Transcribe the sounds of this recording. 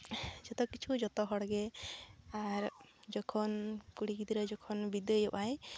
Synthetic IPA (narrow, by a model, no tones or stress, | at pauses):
d͡ʒɔt̪ɔkit͡ʃʰud͡ʒɔt̪ɔɦɔɽɡɛ | aɾd͡ʒɔkʰɔnkuɽikid̪iɾɔd͡ʒɔkʰɔnbid̪əjɔʔaj